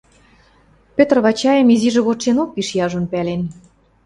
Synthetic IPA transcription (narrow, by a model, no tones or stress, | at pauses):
pøt̪rβɑt͡ɕɑjə̆miziʒĕβot̪ʃenok̚piʃjɑʒŏnpælen